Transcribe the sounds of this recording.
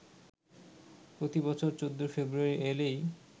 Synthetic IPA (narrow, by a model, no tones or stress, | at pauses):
pɾot̪ibɔt͡ɕʰoɾt͡ɕod̪ʱːofebɾuaɾielej